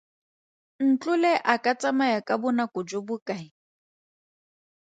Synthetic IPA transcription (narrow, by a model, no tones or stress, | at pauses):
n̩t͡ɬʼʊlɛʔakʼat͡sʼamajakʼabʊnakʊd͡ʒʊbʊkʼaɪ